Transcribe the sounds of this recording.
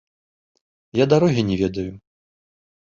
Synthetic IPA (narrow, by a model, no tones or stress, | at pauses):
jad̪aɾɔɣʲinʲɛvʲɛd̪ɐju